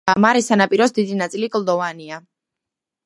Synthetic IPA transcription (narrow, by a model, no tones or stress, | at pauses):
amaɾɛsanapʼiɾɔsd̪id̪inat̪sʼilikʼld̪ɔvania